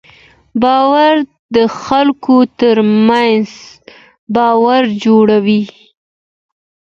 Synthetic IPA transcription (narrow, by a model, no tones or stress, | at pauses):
bɑwaɾ | d̪əxalkot̪əɾmanz | bɑwaɾd͡ʒoɽawi